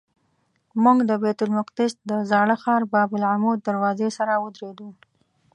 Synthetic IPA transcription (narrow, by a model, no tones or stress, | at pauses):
muŋɡd̪əbet̪ʊlmʊqd̪ɪsd̪əzɑɽəxɑɾbɑbʊlʕamud̪̚d̪aɾwɑzesaɾawəd̪ɾed̪u